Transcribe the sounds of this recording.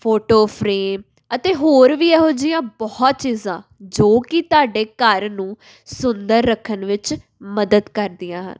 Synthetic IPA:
pʰoːʈoːpʰɾeːm | ət̪eːɦoːɾʋiːɛːɦoːd͡ʒijãːbɔːt̪̚t͡ʃiːzã̰ːd͡ʒoːkɪt̪ʊaːɖeːkəɾnũː | sʊnd̪əɾːəkʰːənʋɪt͡ʃ | məd̪əd̪kəɾd̪ɪjãːɦə̰n

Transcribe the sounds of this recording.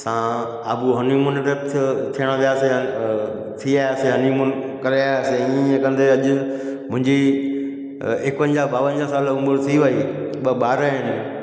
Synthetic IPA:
sãː | aːbuɦɐnimʊnɾət̪ʰt̪ʰijəɽ̃əʋijaːse | t̪ʰiaːseɦɐnimʊn | kɐɾeaːseiẽkɐ̃nd̪eɐʄʊmʊ̃ɦɪ̃ɲd͡ʑi | ekpə̃ɲd͡ʑabaːʋə̃nd͡ʑasaːlʊ̃mbəɾt̪ʰiʋɐi | ɓəbaːɾəɦɪnɪ̆

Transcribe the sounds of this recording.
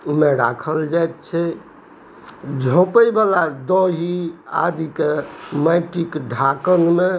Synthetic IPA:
meɾa̰kʰəld͡ʒajt̪̚t͡ʃʰɛ | d͡ʒʱõpəjbalad̪ɔɦia̰d̪ikemaɪʈikɖʱakənme

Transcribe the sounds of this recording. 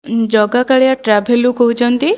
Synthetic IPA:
d͡ʒɔɡakaɭijaʈɾabʱelukɔɦut͡ʃʰɔnt̪i

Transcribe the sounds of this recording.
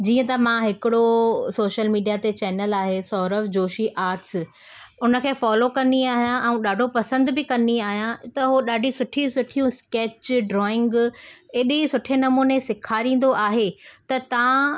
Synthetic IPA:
d͡ʑiːə̃t̪ɐmãɦɪkɪɽosoːʃəlmiːɖijat̪et͡ɕɛːnəlaːɦesɔːɾəʋd͡ʑoːʃiʔaːɾʈs | ʊnə̆kʰeːfɔːlokɐniaːɦijãʔɛ̃ũɗaːɖʱopɐsə̃nd̪bɪkɐniaːɦijãt̪ɐɦoɗaːɖʱĩsʊʈʰĩsʊʈʰijũskeːt͡ɕɖɾɔːɪ̃ŋɡeːɗẽsʊʈʰenɐmuːnesɪkʰaːɾĩːn̆d̪oʔaːɦet̪ɐt̪ɐã

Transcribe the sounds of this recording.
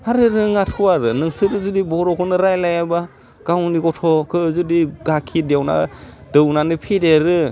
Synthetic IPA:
haɾɯɾɯŋatʰuaɾɯnɯŋsɯɾɯzudibɔɾɔkʰɯnɯɾajlajaba | ɡ̥awniɡɔtʰɔkʰɯzudiɡakʰidjawna̰dɯwnanɯpʰideɾɯ

